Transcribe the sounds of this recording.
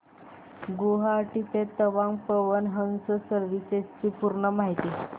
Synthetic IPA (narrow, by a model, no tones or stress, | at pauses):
ɡoɦaːʈit̪et̪əʋãŋɡpəʋənɦəŋsəsəɾʋiset͡ɕiːpuɾɳəmaɦit̪i